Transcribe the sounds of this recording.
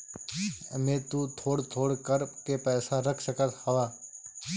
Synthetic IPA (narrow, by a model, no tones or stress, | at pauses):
mẽːt̪uːt̪ʰoːɽt̪ʰoːɽkəɾkeːpɛːsaːɾəkʰsəkət̪həʋaː